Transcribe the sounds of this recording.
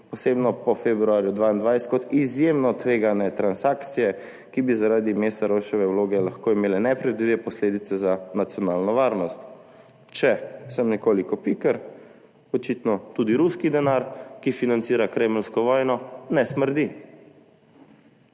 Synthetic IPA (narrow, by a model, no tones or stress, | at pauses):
pɔsebnɔpɔfebɾuaːɾjud̪ʋaːind̪ʋajskɔt̪izjemnɔt̪ʋeːɡanɛt̪ɾansaːkt̪sijɛ | kibizaɾaːd̪imest̪aɾoʃɔʋɛwloːɡɛlaxkoːimeːlɛnɛpɾɛd̪iʋɛpɔsleːd̪it̪sɛzanat̪sjɔnaːlnɔʋaːɾnɔst̪ | t͡ʃɛsəmnɛkoːlikɔpikəɾ | ɔt͡ʃit̪nɔt̪uːd̪iɾuskid̪ɛnaɾkifinant̪siːɾakɾeːmlskɔʋɔjnɔnɛsməɾd̪i